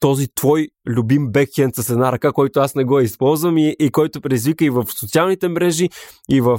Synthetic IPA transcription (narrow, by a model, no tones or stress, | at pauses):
t̪ɔzit̪vɔjlʲʊbimbɛkʲɛnt̪sɐsɛd̪naɾɐkakɔjt̪oasnɛɡɔɛispɔlˠzvəmiʔːkɔjt̪opɾɛizvikəivəfsot̪sialˠnit̪ɛmɾɛʒiivəf